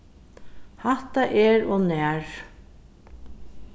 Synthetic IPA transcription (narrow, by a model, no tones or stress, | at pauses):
haht̪aʔɛɹonæːɹ